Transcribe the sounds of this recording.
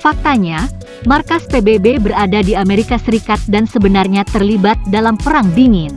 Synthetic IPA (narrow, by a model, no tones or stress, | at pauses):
fak̚t̪aɲa | markaspebebebəɾadadiameɾikasəɾikat̪̚dansəbənarɲat̪ərlibat̪̚dalampəɾaŋdiŋɪn